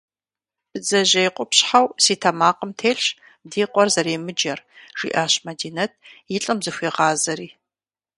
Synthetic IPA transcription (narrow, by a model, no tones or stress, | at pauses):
b̥ɨzɐʑɐjqʷʼʊpɕħawsiːtʰɐmaːqəmtʰeːɬ | diːqʷʼɔrzɐɾeːmɨd͡ʒɐrʒ̥ḭʔaːɕmɐdiːnɐt̚ʰjɪɬʼɨmzɨxʷeːʁɑːzɐɾiː